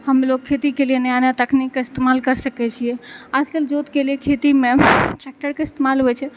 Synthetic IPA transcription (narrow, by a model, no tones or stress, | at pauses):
həmloɡ̚kʰːet̪ikelijenəjanat̪əkʰnikːeɪst̪emalkəɾsəkɛt͡ʃʰijɛəd͡ʒkeld͡ʒot̪keliekʰet̪imeʈɾɛk̚ʈəɾkeɪst̪emalɦoɛt͡ʃʰɛ